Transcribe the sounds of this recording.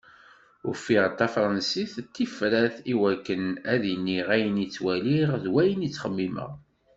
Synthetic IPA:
ʊɾfiʁt̪ːɑfɾˤɑnsiθt̪ːifɾæθiwækːənæðinːiʁæjənit͡sːwæliʁðwæjənit͡sːχəmːimə̰ʁ

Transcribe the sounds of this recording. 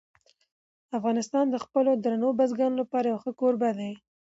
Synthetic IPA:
afɣɑnɪst̪ɑnd̪əxpəlod̪ɾanobazɡɑnolapɑɾajawxəkoɾbad̪aj

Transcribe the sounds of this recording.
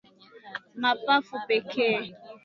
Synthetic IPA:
mapafʊpekʰe

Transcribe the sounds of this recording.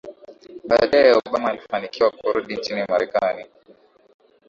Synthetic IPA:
ɓaːɗajɛɔɓamaːlifanikiwakɔɾɔɗint͡ʃinimaɾɛkani

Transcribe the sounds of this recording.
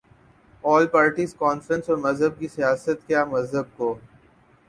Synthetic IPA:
ɔːlpaːɾʈiːzkɔːnfɾə̃nsɔːɾmɐzɦəb̚kisijaːsət̪kjaːmɐzɦəb̚koː

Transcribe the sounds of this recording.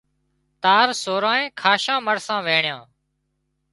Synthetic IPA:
t̪aːɾsoːɾãːẽːkʰaːʃãːməɽsãːʋeːɳɪjãː

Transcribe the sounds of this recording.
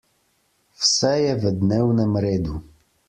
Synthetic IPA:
fsɛjɛvəd̪nɛwnəmɾɛd̪u

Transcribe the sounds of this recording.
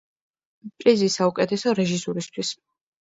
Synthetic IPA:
pʼɾizisaukʼɛt̪ʰɛsɔɾɛʒisuɾist̪ʰwis

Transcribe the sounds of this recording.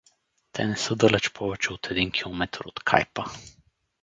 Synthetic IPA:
t̪ʰɛnɛsəd̪əlɛt͡ʃpʰɔʋɛt͡ʃɛut̪ʰɛd̪iŋkʰilˠɔmɛt̪ʰɾot̪kʰa̰jpɐ

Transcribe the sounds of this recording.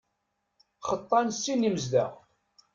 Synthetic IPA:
χət̪ˤːɑnsːinːiməzd̪æ̰ʁ

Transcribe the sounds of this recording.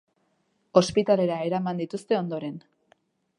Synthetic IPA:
o̞spit̪ale̞ɾaeɾamand̪it̪ust̪e̞o̞nd̪o̞ɾe̞n

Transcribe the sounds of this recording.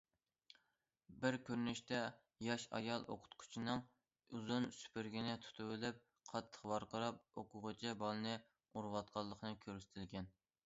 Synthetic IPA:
bɪɾkʲʰøɾnyʃt̪ɛ | jɑʃɑ̰jɑlˠʔo̰qʰʊ̥t̪qʰʊ̥t͡ʃʰinɨŋ | uzunsy̥pʰɪɾɡʲinɪt̪ʰu̥t̪ʰʊwɪlɪp̚ | qʰɑt̪ʰːə̥χqwɑɾqəɾɑp̚oqʰʊʁət͡ʃʰibɑlˠɨnɨ | uɾwɑt̪̚qʰɑlˠːəqʰnɨkʲʰøɾsɪ̥t̪ʰɪlɡʲɛn

